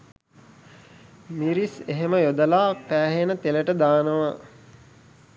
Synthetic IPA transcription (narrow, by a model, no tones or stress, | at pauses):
miɾiseɦeməjod̪əlaːpæːɦenət̪eləʈəd̪aːnəʋa